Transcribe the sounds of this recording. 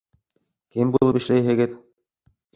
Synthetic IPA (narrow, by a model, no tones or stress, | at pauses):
kimbulˠɤpĭʃlæjɦɘ̆ɡɘð